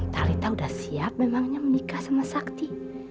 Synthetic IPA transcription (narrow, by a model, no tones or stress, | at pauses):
nt̪aɾit̪audahsiap̚memaŋɲamənikahsamasakt̪i